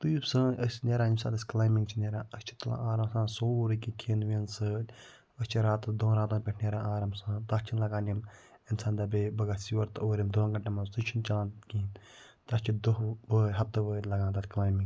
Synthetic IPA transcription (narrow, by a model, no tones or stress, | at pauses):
t̪uibsɐ̃ɐsʲnʲeːɾaːnimsã̰ːd̪ɐsʲklaːjmiŋɡt͡ʃʰineːɾãːɐsʲt͡ʃʰi̥t̪ɐla̰ʔaːɾɐmsãːsoːɾɨkikʰeːnʋensɨ | ɐsʲt͡ʃʰiɾaːt̪d̪õːɾaːt̪õːnpʲeʈʰnʲeːɾãːaːɾɐmsãːt̪ast͡ʃʰinlɐɡaːnim | insaːnd̪ɐbebɐɡaːsiʋɐɾt̪ɨoːɾʲimd̪õɡɐɳʈamãsɨt͡ʃʰint͡ʃɐlaːnkiːn | t̪ɐst͡ʃʰid̪oɦbəːɦɐp̚t̪ɨʋəːlɐɡãːnd̪ɐt̪ʲklaːjmĩŋɡ